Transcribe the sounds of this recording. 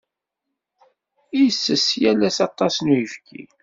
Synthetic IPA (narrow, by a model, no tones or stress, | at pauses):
ijsːəsjælæsɑt̪ˤːɑsnujəfkʰḭ